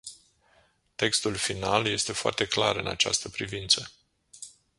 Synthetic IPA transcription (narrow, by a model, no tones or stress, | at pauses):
t̪e̞kst̪ulfinalje̞st̪e̞foa̰rt̪e̞kla̰ɾɨna̰t͡ʃa̰st̪əpɾivint̪sə